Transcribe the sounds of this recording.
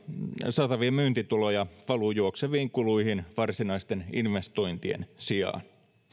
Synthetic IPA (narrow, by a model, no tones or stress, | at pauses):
sɑːt̪ɑʋiɑmyːnt̪it̪ulojɑʋɑlujuokseʋiːŋkuluihinʋɑrsinɑist̪eninʋest̪oint̪iḛnsiɑ̰ːn